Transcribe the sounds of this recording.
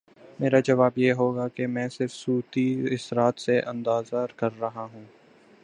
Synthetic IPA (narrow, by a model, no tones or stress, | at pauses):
meːɾad͡ʒɐʋaːbjeːɦoːɡakemɛ̃ːsɪɾfsuːt̪iɪsɾaːt̪seʔɐ̃nd̪aːzaɾkɐɾːɐɦaɦũː